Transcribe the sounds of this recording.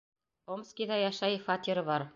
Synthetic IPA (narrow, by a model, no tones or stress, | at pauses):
omskʲiðɑjɑʃɑjfɑt̪ʲiɾɤβɑɾ